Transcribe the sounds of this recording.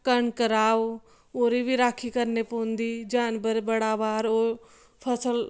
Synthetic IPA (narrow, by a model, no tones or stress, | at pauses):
kɐɳkəɾaːʋ | oːɾibʱiɾaːkʰikɐɾnepoːnd̪id͡ʒaːnbəɾbɐɽaːʋaːɾoː | pʰɐsəl